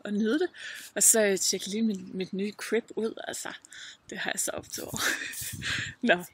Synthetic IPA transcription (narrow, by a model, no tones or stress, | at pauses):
ʔɒ̽nyːð̞ˠd̥e̝ɒ̽sɒ̽t͡ɕʰeɡ̥jliːminmid̥nyːkʰʁeb̥uð̞̰ˠælsɐd̥e̝hɑ̈jɑsɒ̽ʔɒ̽b̥t͡sʰo̰ | nɒ